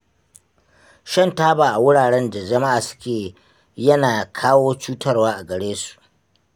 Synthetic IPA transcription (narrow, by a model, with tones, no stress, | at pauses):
ʃɐ˦ntaː˦baː˨ʔa˨wʊ˦ɽaː˨ɽɛ˦nda˨d͡ʒɐ˦ma˦ʔaː˨sʊ̥˦kʲeː˨ | jɐ˦naː˨kʰaː˦woː˦t͡ʃuː˦tɐ˦rwaː˦ʔa˨ɡɐ˨ɽeː˦su̥˨ʔ